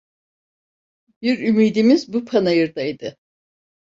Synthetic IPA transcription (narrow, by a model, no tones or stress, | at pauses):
biɾymiːd̪imizbupʰanajɯɾd̪aid̪ɯ